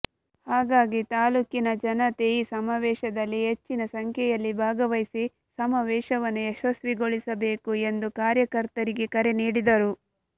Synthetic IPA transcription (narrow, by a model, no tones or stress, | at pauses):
haːɡaːɡit̪aːluːkinɐd͡ʒɐnɐt̪eːjisɐmaːʋɛːʃɐd̪ɐlːiɦe̞t͡ʃːinɐsɐŋkʰɛjɐlːibʱaːɡɐʋɐjsi | sɐmaːʋɛːʃɐʋɐnːueʃɐsʋiɡoɭisɐbe̞ːkue̞nd̪ukaːɾjɐkɐɾt̪ɐɾiɡe̞kɐɾe̞niːɽid̪ɐɾu